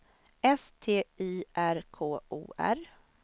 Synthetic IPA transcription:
ɛst̪ʰeːiːʔæɾkʰoːṵːʔæ̰ɾ

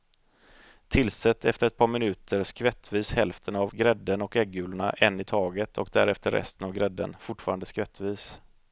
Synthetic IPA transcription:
t̪ʰɪlsɛt̪ːɛft̪əɾɛt̪̚pʰɑːɾmɪnʉ̟ːt̪ʰəɾskvɛt̪ːviːshɛlft̪ʰənavɡɾɛd̪ːənɔkɛɡːʉ̟ːlʊɳa̰ʔɛnːɪt̪ʰɑːɡət̪ʰɔ̰kd̪æɾɛft̪əɾʔɛ̰st̪ənavɡɾɛd̪ːə̰nfʊʈfɑːɾand̪əskvɛt̪ːviːs

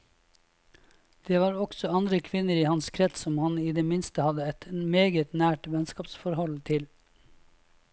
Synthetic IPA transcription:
d̪̥eːʋɑːɾɔksɔɑnd̪ɾəkʰʋɪnəɾiːhɑnskʰɾɛt̪ssɔmhɑniːd̪eːmɪnst̪əhɑd̪əɛt̪meːɡət̪næːʈʋɛnskɑːpsfɔɾhɔlt̪ʰɪl

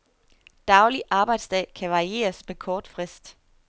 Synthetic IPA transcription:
d̥ɑ̈ʊliʔɑ̈ːb̥ɑ̈ɪd̥sd̥ɛ̰ːkʰæʋɑ̈ʁie̝̰ːɐsmekʰɒːd̥fʁɛsd̥

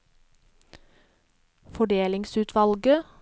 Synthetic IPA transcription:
fɔɖeːlɪŋsʉːt̪ʰʋɑlɡə

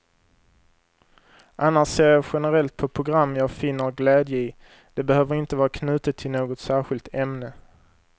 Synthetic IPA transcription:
ʔanːaʂseːɾjɑɧɛnəɾɛlt̪̚pʰɔpʰɾʊɡɾamːjɑːɡfɪnːəɾɡlɛːd̪jəɪ | d̪̥ɛbɛhøːvəɾɪnt̪əvɑːɾakʰnʉ̟ːt̪ət̪ʰːɪlnoːɡɔt̪sæːɾɧɪlt̪ʰɛmnə

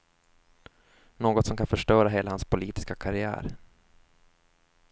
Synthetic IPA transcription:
noːɡɔt̪sɔmkʰanfœʂʈœːɾaɦeːlahanspʰʊliːt̪ɪ̥skakʰaɾɪæ̰ːɾ

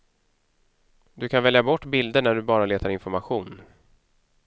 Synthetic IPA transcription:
d̪ɵkʰanvɛljabɔʈːbɪld̪əɳæɖɵbɑːɾaleːt̪aɾɪnfɔɾmaɧuːn

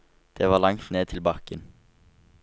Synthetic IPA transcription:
d̪̥eːʋɑːlɑŋt̪neːt̪ʰɪlbɑkən

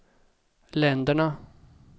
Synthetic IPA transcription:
lɛnd̪əɳa

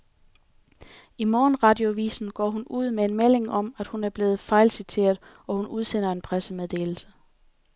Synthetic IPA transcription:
imɒːnʁɑ̈d̥io̝ʋḭːsn̩ɡ̥ɒ̰ːɦunuð̞̰ˠmeenmele̝ŋʔɒ̽m̰æd̥hunæɐb̥le̝ːð̩ˠfɑ̈ɪlsit͡sʰe̝̰ːɐð̞̩ˠ | ɒ̽hunuð̞ˠsen̰ɐe̝npʰʁæsəmeðˠd̥e̝̰ːl̩sə̥

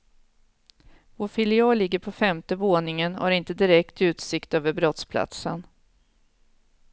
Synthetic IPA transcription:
voːɾfɪlɪɑːlɪɡːəɾpʰɔfɛmt̪əvoːnɪŋənha̰ɾɪnt̪əd̪ɪɾɛk̚t̪ʉ̟ːt̪sɪkt̪øːvəɾbɾɔt̪spʰla̰t̪sə̰n

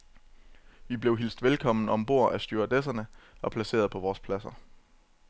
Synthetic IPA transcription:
ʋib̥le̝ʊɦil̰sd̥ʋelkʰɒ̽m̰n̩ɒ̽mb̥o̝ɐ̰ʔæsd̥yɐd̥es̬ɐnəɒ̽pʰlæse̝̰ːɐð̞ˠpʰɒ̽ʋɒːspʰlæsɐ

